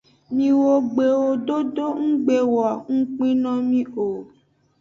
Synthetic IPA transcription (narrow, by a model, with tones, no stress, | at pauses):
mĩ˧wo˦ɡ͡be˨o˦do˦do˦ŋ̩˦ɡ͡be˨˧wɔ˨ŋ̩˦k͡pĩ˦nɔ̃˧mĩ˧˦o˨